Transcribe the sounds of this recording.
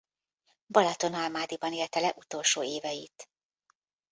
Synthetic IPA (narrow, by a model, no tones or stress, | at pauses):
bɒlɒt̪o̞nɒlmaːd̪ibɒneːlt̪ɛlɛʔut̪o̞lʃoːeːvɛjit̪